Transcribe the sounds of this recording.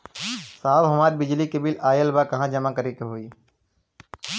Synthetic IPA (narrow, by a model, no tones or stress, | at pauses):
saːlɦʊmaːd̪̚bɪd͡ʒliːkebilaːjəlbaːkɐɦãːd͡ʒəmakəɾikeɦoːiː